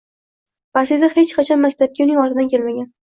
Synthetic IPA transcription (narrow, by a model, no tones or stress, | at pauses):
pasezahet͡ʃqʰɑt͡ʃʰɒnmak̚ʲt̪ʰap̚kʲaunɪŋɒɾɪd̪ankʲe̞lmaɡʲan